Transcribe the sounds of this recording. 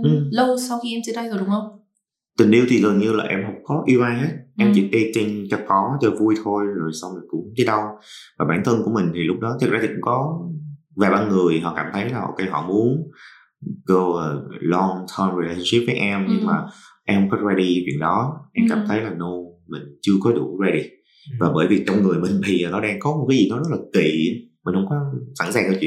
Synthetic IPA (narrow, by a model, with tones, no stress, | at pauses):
ʔɨ˨˩mlə˧wsa˧wxi˧ʔɛ˧mt͡ɕi˧ɗa˧jzo˨˩ɗʊ˨˦ŋ͡mhə˧wŋ͡m | t̪ï˨˩ŋ̟ʔi˧əwt̪ʰi˨˩ɣə˨˩nɲɨ˧la̰ː˨˩ʔɛ˧mɦə˨˩wk͡p̚kɔ˨˦ʔi˧əwʔaː˧nɦe˦˥t̚ʔɛ˧mt͡ɕi˧˩t̪e˧t͡ɕi˧ŋt͡ɕɔ˧˩kɔ˨˦t͡ɕɔ˨˧˩vu˧jt̪ʰo˧jzo˨˩jsa˧wŋ͡mmi˨˩kʊ̰˧˥ŋ͡mt͡ɕi˨˦ɗə˧wvaː˨˩ɓaː˧˩nt̪ʰə˧nku˧˩əmï˨˩ŋ̟t̪ʰi˨˩lʊ˦˥k͡p̚ɗɔ˨˦t̪ʰi˨˦˩laː˧t̪ʰi˨kʊ̰˧˥ŋ͡mkɔ˨˦ | vaː˨˩ɓaː˧nŋɨ˨˩əjɦɔ̰˧˨kaː˧˩mt̪ʰə˨˦jla̰ː˨˩˨kaː˨˧˦jhɔ̰˧˨mu˨˦ən | ɣo˧˨˩lɔ˧ŋt̪ʰəː˧mɹi˨˩la˧ɕə˧nsi˦˥p̚vəː˨˦jʔɛ˧mɲɨ˧ŋmaː˨˩ʔɛ˧mhə˧ŋ͡mkɔ˨˦˥za˧ɗi˧vḭ˧˨əŋɗɔ˨˦ʔɛ˧mkaː˧˩mt̪ʰə˨˦jlaː˨˩no˧mï˨˩ŋ̟t͡ɕɨ˧əkɔ˨˦ɗu˧˩za˧ɗi˧ | vaː˨˩ɓəː˧˩jvi˨˩k̚t͡ɕɔ˧wŋ͡mŋɨ˨˩əjmï˨˩ŋ̟ɓḭ˨˩ʔəː˨˩nɔ˨˦ɗaː˧ŋkɔ˨˦mo˨˩t̚kaː˨˦zi˨˩nɔ˨˦zə˦˥t̚laː˨˩kḭ˧˨˦mï˨˩ŋ̟hə˧wŋ͡mkɔ˨˦sa̰˧˩nsaː˨˩ŋkaː˧˦t͡ɕwḭ˧˨